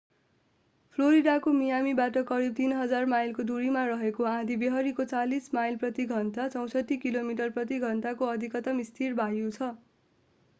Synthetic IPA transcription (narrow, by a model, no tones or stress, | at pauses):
pʰloɾiɽakomijamibaʈʌkʌɾib̚t̪inɦʌd͡zarmajlkod̪uɾimarʌɦekoãd̪ʱibeɦʌɾikot͡salismajlprʌt̪iɡʱʌnʈat͡sʌw̃sʌʈːikilomiʈʌrprʌt̪iɡʱʌnʈakoʌd̪ʱikʌt̪ʌmist̪ʰirbʱajut͡sʰʌ